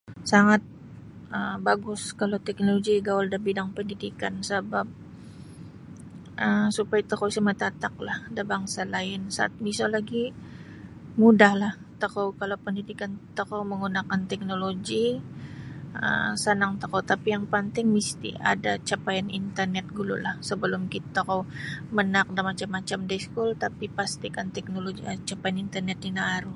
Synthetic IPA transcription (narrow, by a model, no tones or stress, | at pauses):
saŋat̪̚ | əmbaɡʊskalawt̪ɛk̚noloɡiɡawaldabidaŋpəndidikansəbap̚ | ʔəsupajat̪əkowsamət̪at̪ak̚lahdabaŋsalaɪnsaʔa̰t̪̚misalaɡi | mudahlah | t̪əkawkalawpəndidikant̪əkawməŋunakant̪ɛk̚noloɡi | ə̰sanaŋt̪əkawt̪apijaŋpant̪ɪŋmist̪ḭa̰dat͡ʃapajanint̪ərnɛt̪̚ɡulṵlahsəbəlʊmkit̪t̪akawmənak̚damat͡ʃamːat͡ʃamdaskult̪apipast̪ikant̪ɛk̚noloɡiət͡ʃapajanint̪ərnɛt̪̚ninaːɾu